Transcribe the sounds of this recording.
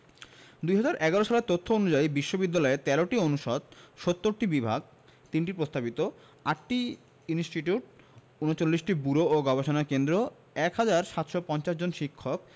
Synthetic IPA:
d̪ujɦad͡ʑaɾʔɛɡaɾoʃaleɾt̪ot̪ʰːoonud͡ʑaibiʃːobid̪ːalɔet̪ɛloʈionuʃɔd̪̚ʃot̪ːoɾʈibibʱaɡ̚ | t̪inʈiɾpɾost̪abit̪o | aʈʈi | insʈiʈiuʈ̚ | unot͡ɕolːiʃʈibuɾooɡɔbeʃonakend̪ɾo | ɛkɦad͡ʑaɾʃat̪ʃɔpɔnt͡ɕaʃd͡ʑonʃikʰːok̚

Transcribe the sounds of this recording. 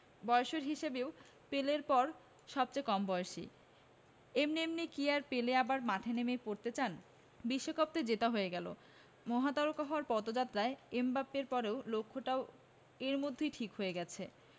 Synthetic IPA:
bɔeoʃoɾɦiʃebeo | peleɾpɔɾ | ʃɔb̚t͡ɕajkɔmbɔjoʃḭ | emnemnikiaɾpeleabaɾmaʈʰenemepoɾt̪et͡ɕan | biʃːokʰop̚t̪ed͡ʑet̪aɦoeɡɛlo̰ | mɔɦat̪aɾokaɦoaɾpɔt̪od͡ʑat̪ːɾaeembapːeɾpɔɾeolokʰːoʈao | eɾmod̪ʱːejʈʰikɦoeɡɛt͡ɕʰe

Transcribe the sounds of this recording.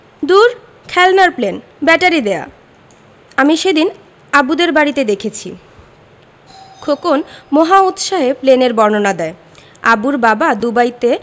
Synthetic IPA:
d̪uɾ | kʰɛlnaɾplen | bɛʈaɾid̪ea̰ | amiʃed̪in | abud̪eɾbaɽit̪ed̪ekʰet͡ɕʰḭ | kʰokonmoɦaut̪ʃaɦepleneɾbɔɾnonad̪ɛe | abuɾbabad̪ubajt̪e

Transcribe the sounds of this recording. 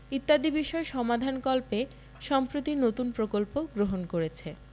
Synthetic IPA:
it̪ːad̪ibiʃɔeʃɔmad̪ʱankɔlpe | ʃɔmpɾot̪iɾnot̪unpɾokolpoɡɾoɦonkoɾet͡ɕʰe

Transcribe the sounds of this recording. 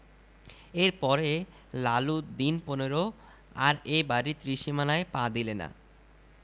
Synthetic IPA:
eɾpɔɾe | lalud̪inponeɾo | a̰ɾebaɾit̪ɾiʃimanaepãd̪ilena̰

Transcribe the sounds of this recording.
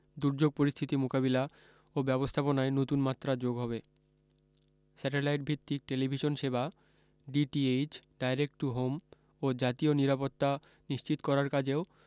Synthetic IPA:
d̪uɾd͡ʑoɡ̚poɾist̪ʰit̪imokaβila | obɛbost̪ʰaponaenot̪unmat̪ːɾad͡ʑoɡɦɔβe | sɛʈelajʈ̚bʱit̪ːik̚ʈelibʱiʃonʃeba | ɖiʈied͡ʑɖajɾek̚ʈuɦom | od͡ʑat̪ioniɾapot̪ːa | niʃt͡ɕit̪kɔɾaɾkad͡ʑeo

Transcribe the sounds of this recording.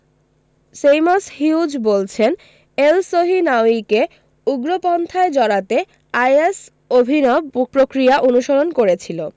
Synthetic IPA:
sejmashud͡ʑbolt͡ɕʰen | elsoɦinaoike | uɡɾopɔnt̪ʰaed͡ʑɔɽat̪e | ajes | obʱinɔbpɾokɾiaʔonuʃoɾonkoɾet͡ɕʰilo

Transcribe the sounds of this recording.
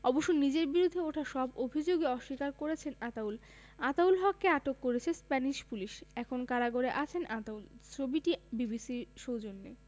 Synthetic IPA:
ɔboʃːonid͡ʑeɾbiɾud̪ʱːeoʈʰaʃɔbobʱid͡ʑoɡeɔʃːikaɾkoɾet͡ɕʰenat̪aul | at̪aulɦɔkːeaʈokːoɾet͡ɕʰespɛniʃpuliʃɛkʰonkaɾaɡoɾeʔat͡ɕʰenʔat̪ault͡ɕʰobiʈibibisiɾʃowd͡ʑonːḛ

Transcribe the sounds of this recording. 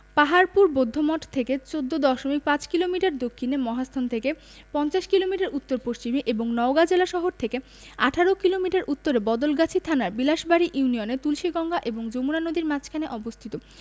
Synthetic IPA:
paɦaɾpuɾbod̪ʱːomɔʈt̪ʰeket͡ɕod̪ːod̪ɔʃomik̚pãt͡ɕkilomiʈaɾd̪okʰːinemɔɦast̪ʰont̪ʰeke | pɔnt͡ɕaʃkilomiʈaɾʔut̪ːoɾpost͡ɕimiʔeboŋnɔoɡad͡ʑelaʃɔɦoɾt̪ʰeke | aʈʰaɾokilomiʈaɾʔut̪ːoɾebɔd̪olɡat͡ɕʰit̪ʰanaɾbilaʃbaɾiʔiunionet̪ulʃiɡɔŋɡaʔeboŋd͡ʑomuɾanod̪iɾmat͡ɕkʰaneʔɔbost̪ʰit̪o

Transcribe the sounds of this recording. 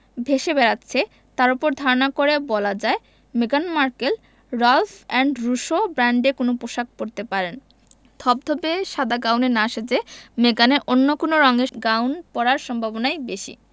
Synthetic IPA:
bʱeʃebɛɾatːɕʰe | t̪aɾopoɾd̪ʱaɾonakoɾebɔlad͡ʑae | meɡanmaɾkel | ɾalfɛɳɖɾuʃobɾaɳɖekonopoʃak̚poɾt̪epaɾen | d̪̥ʰʱɔb̚d̪ʱɔbeʃad̪ʱaɡawnenaʃed͡ʑemeɡaneʔonːokonoɾɔŋeɡawnpɔɾaɾʃɔmbʱabonajbeʃḭ

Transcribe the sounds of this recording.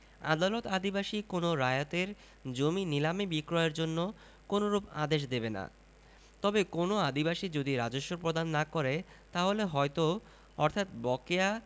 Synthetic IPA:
a̰d̪alot̪ad̪ibaʃikonoɾajat̪eɾ | d͡ʑominilamebikɾɔeɾd͡ʑonːo | konoɾuba̰d̪eʃ̬d̪ebena̰ | t̪ɔbekonoad̪ibaʃid͡ʑod̪iɾad͡ʑoʃːopɾod̪anːakɔɾe | t̪aɦoleɦɔjt̪o | ɔɾt̪ʰat̪bɔkea

